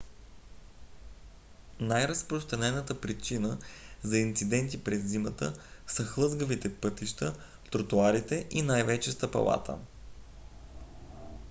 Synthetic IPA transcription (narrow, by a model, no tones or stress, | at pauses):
najɾɐspɾost̪ɾɐnɛnət̪əpɾit͡ʃinəzɐint̪sid̪ɛnt̪ipɾɛzːimət̪ə̰sɐxlˠɤzɡəvit̪ɛpɤt̪iʃt̪ə | t̪ɾot̪uaɾit̪ɛʔinajvɛt͡ʃɛst̪ɐpɐ̰lˠa̰t̪ʰə̰